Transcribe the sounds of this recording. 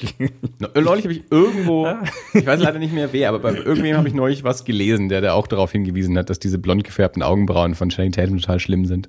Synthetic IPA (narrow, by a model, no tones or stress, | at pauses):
nnɔʏlɪçhabəɪçʔɪɐɡŋ̩tv̥oːɪçvaɪslaɪdɐnɪçtmeːɐveːɐʔaːbɐbaɪʔɪɐɡŋ̩tv̥eːmhaːbəɪçnɔʏlɪçvasɡ̥əleːzn̩deːɐɾaːʔa̰ʊxd̥aʁaʊfhɪnɡəviːzn̩hat̚d̥asd̥iːzəblɔnt̚ɡ̥ə̥fɛɐp̚tn̩ʔa̰ʊɡŋ̩bʁaʊnfɔnʃanitʰɛːtn̩tʰotʰaːlʃlɪmzɪnt